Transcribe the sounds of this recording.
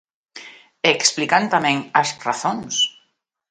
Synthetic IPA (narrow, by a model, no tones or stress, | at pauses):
eksplikant̪amɛ̃ŋasraθoŋs